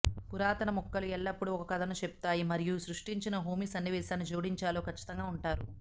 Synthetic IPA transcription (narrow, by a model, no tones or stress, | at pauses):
kuɾaːt̪ɐnɐmɔkːɐluɛɭːɐpːuɽuɔkɐkɐd̪ɐnut͡ʃepu̥t̪aːjimɐɾijusɾuʂʈiɲt͡ʃinɐɦoːmisɐnːiʋɛːʃaːnːid͡ʒoːɽiɲt͡ʃaːloːkɐt͡ʃːi̥t̪ɐŋɡaːuɳʈaːɾu